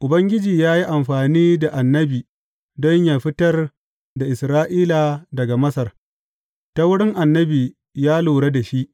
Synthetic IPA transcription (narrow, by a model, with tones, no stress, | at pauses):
ʔʊ˨bɐ˦ŋɡʲɪ˦d͡ʒiː˨jaː˦ji˦ʔa˨mɸaː˨niː˦da˨ʔa˨nːɐ˦biː˨ | dɔ˦ɲjaː˨ɸɪ˦tɐ˦r | da˨ʔɪ˨sɾaː˦ʔiː˦la˨dɐ˨ɡa˨mɐ˦sɐ˨r | ta˦wʊ˦ɽɪ˦ŋʔa˨nːɐ˦biː˨ | jaː˦luː˨ɽe˦da˨ʃi˦ʔ